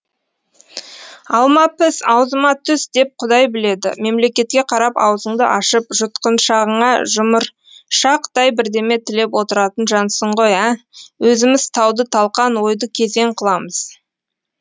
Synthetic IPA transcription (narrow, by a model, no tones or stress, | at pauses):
ɑlˠmɑpɪsɑwzəmɑt̪ʰʏsd̪e̞p̚qʰʊd̪ɑjbɪle̞d̪ɪ̰me̞mle̞kʲe̞t̪̚kʲe̞qʰɑɾɑpɑ̰wzəɴd̪ə̰ʔɑʃəpʒʊt̪qənʃɑʁəɴɑʒʊməɾ | ʃɑqd̪ɑjbɪɾd̪e̞me̞t̪ʰɪle̞pwo̞t̪əɾɑt̪ənʒɑnsəɴʁo̞jæwʔɵzɪmɪzt̪ʰɑwd̪ət̪ʰɑlˠqɑnwo̞jd̪əkʲʰe̞ze̞ŋqʰəlˠɑməz̥